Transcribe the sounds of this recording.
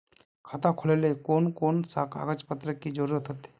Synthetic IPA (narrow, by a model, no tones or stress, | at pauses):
kʰat̪akʰʊlelekoːnkoːnsaka̰ɡət͡ʃpət̪ɾəkːid͡ʒoɾɾət̪ɦot̪e̥